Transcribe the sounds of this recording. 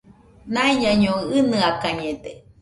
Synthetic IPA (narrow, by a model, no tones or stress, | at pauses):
naiɲaɲõɨnɨakaɲed̪e